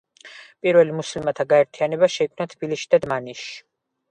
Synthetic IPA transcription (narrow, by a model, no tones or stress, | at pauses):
pʼiɾvɛlimuslimat̪ʰaɡaɛɾt̪ʰianɛbaʃɛikʼnat̪ʰb̥iliʃid̪ad̪maniʃi̥